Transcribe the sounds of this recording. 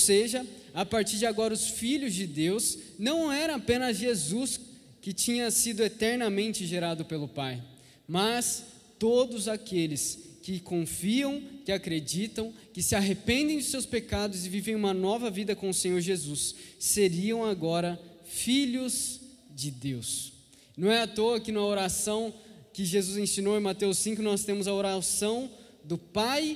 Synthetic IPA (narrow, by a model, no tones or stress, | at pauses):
seʒɐ | apaɾt͡ʃiɾd͡ʒɪaɡɔɾɐʊsfiʎʊzd͡ʒɪd̪ewsnɐ̃w̃ɛɾɐ̃apẽnɐzʒezus | kɪt͡ʃĩɲɐsid̪ʊet̪ɛɾnɐmẽnt͡ʃɪʒeɾad̪ʊpelʊpaj | mɐs | t̪od̪ʊzakelɪskɪkõfiɐ̃w̃kɪakɾed͡ʒit̪ɐ̃w̃kɪsɪaɦepẽnd̪ẽj̃d͡ʒ̪ʊsewspekad̪ʊzɪvivẽj̃ũmɐnɔvɐvid̪ɐkõʊsẽɲoɾʒezusːeɾiɐ̃w̃aɡɔɾɐ | fiʎʊz | d͡ʒɪd̪ews | nɐ̃w̃ɛat̪oɐkɪnɐ̃ɛoɾasɐ̃w̃kɪʒezuzẽsĩnowẽmat̪ewsĩŋkʊnɔst̪ẽmʊzɐoɾasɐ̃w̃d̪ʊpaj